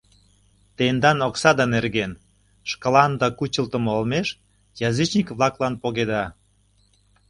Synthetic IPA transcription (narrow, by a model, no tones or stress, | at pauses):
t̪end̪ɑnoksɑd̪ɑnerɣen | ʃkə̆lɑnd̪ɑkut͡ɕə̆lt̪ə̆molmeʃ | jɑzit͡ɕnikβlˠɑklɑnpoɣed̪ɑ